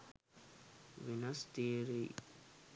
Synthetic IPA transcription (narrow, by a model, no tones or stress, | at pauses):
ʋinɐst̪iːɾi